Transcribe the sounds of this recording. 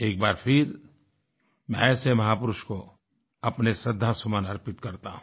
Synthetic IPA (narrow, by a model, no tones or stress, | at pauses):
eːk̚baːɾpʰɪɾ | mɛ̃semɐɦaːpʊɾʊʃko | ɐpnesɾəd̪ʱːasʊmaːnɐɾpɪt̪kɐɾt̪aːɦ